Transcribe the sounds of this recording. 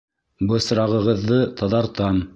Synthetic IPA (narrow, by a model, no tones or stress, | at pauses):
bɤ̆sɾɑʁɤ̆ʁɤ̆ðːɤt̪ɑðɑɾt̪ɑm